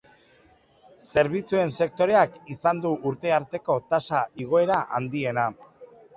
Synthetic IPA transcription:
se̞ɾβ̞it͡sue̞nse̞k̚t̪o̞ɾe̞akisand̪uʔuɾt̪e̞aɾt̪e̞ko̞t̪asaiɣ̞o̞e̞ɾaʔa̰nd̪ie̞na

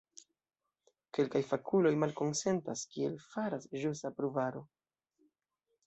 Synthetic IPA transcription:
ke̞lkajfakʰulo̞jmalko̞nse̞ntaskie̞lfaɾasʒusapɾuvaɾo̞

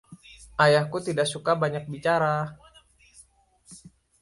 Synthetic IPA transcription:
ʔajahkut̪idaksukabaɲak̚bit͡ʃaɾa

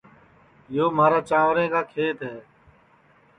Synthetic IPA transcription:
joːmaːɾaːt͡ʃãːʋɾẽːkaːkʰeːt̪ɦɛː

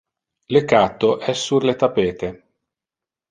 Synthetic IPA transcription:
lekat̪ːoʔɛsːurlet̪apeːt̪e

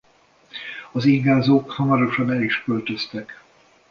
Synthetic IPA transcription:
ɒziːɡaːzoːkhɒmɒɾo̞ʃɒnɛliʃkølt̪ø̞st̪ɛk

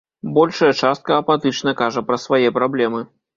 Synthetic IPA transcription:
bɔlʲʂɐjɐt͡ʂast̪̚kɐɐpat̪ɨt͡ʂnɐkaʐɐpɾɐsvajɛpɾablʲɛmɨ

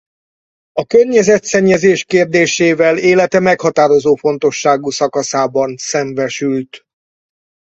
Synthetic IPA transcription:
ɒkørɲɛzɛt̪sɛɲːɛzeːʃkeːrd̪eːʃeːvɛleːlɛt̪ɛmɛkhɒt̪aːɾo̞zoːfo̞n̪t̪o̞ʃːaːɡusɒkɒsaːbɒnsɛɱvɛʃylt̪

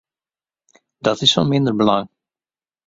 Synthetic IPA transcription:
d̥ɑtɪsfɔnmɪndəɹbəlɑŋ

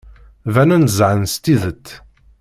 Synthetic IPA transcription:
vænunzʕənst̪iðət̪ː

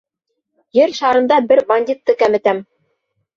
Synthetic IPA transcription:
jɘɾʃɑɾɤ̆nd̪ɑbɘɾbɐnʲdʲit̪ːɤkæmɘ̆t̪æm

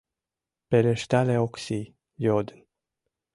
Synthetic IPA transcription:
peleʃt̪aleoksi | jod̪n

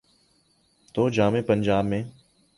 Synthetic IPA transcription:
t̪oːd͡ʒaːmẽːpəɲd͡ʒaːbmẽː

